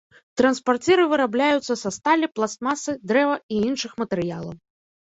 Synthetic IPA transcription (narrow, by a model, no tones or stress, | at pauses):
t̪ɾɐnspart͡sʲɛɾɨvɨɾablʲajut̪sːɐsɐst̪alʲiplˠast̪masɨd̪ɾɛvɐiinʂɨxmɐt̪ɛɾɨja̰lˠɐ̰w